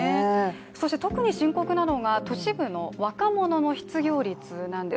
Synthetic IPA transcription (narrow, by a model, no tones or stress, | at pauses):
e | so̞ɕt̪et̪o̞kɯ̟ɲ̟iɕĩŋko̞kɯ̟nano̞ɡat̪o̞ɕiɡɯ̟no̞βakamo̞no̞no̞çi̥t͡sɨɡʲo̞ːɾʲit͡sɨnãnd̪e̞